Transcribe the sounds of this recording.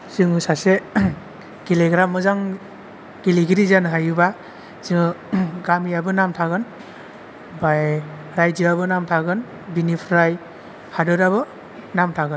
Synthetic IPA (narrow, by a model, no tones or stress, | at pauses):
sɯŋɯsase | ɡ̥ileɡɾamːɯzaŋ | ɡ̥iliɡiɾizanɦajuba | ziŋɯɡamiabɯnamtʰaɡɯn | baj | ɾajd͡ʒiabɯnamtʰaɡɯn | binipʰɾaj | hadɯɾaβɯ | namtʰaɡɯn